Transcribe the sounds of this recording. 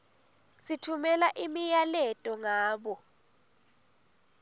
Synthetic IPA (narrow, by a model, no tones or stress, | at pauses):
sitʰumɛlaʔimijalɛtʼɔŋaːɓɔ